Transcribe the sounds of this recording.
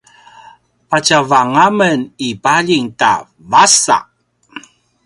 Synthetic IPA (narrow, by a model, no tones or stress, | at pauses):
pat͡ɕavaŋamənibaʎiŋta̰ | vasa̰ʔ